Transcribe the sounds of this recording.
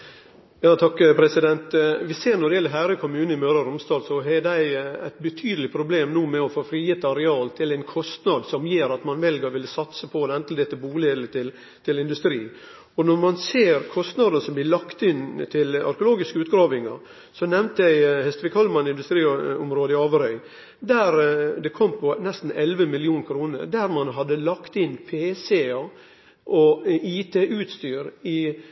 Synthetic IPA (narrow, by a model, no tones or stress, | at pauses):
jɑːt̪ʰɑkːpʰɾɛsɪd̪ɛnt̪ʋɪseːɾnɔd̪ɪjɛlːəɾɦæːɾəɪkʰʊmʉːnəɪmøːɾɑɾʊmst̪ɑːlsɔɦɛd̪æɪæ̰ɪt̪̚bət̪ʰyːd̪əlɪpʰɾʊbleːmnuːmɛɔfoːfɾiːɛt̪ːəɑɾɛɑːlt̪ʰɪlæɪnkʰɔst̪nɑd̪sɔmjeːɾɑt̪mɑnʋɛlɡəʋɪlsɑt̪səpʰɔd̪ɛnt̪l̩d̪ɛt̪ːəbuːleːɡ̪lət̪ʰɪl | t̪ʰɪlɪnd̪ʉst̪ɾiː | ɔnɔɾmɑnseːɾkʰɔst̪nɑd̪ənəsɔmblɪlɑkt̪ɪnt̪ʰɪlɑ̰ɾkʊloːɡɪskəʉːt̪ɡɾɑːʋɪŋɑ̰ | sɔnɛʋnt̪əjæɪhɛst̪əʋɪkhɑlmɑnɪnd̪ʉst̪ɾiːʊmɾoːd̪əɪɑːʋəɾœʏ | d̪æɾd̪ɛkʰɔmːpʰɔnɛst̪n̩ɛlʋəmɪlɪuːnkʰɾuːnə̰ɾd̪æɾmɑnɦɑd̪ːəlɑkt̪ɪnpʰeːseɑ | ʔɔiːt̪ʰeːʔʉːt̪st̪yːɾɪ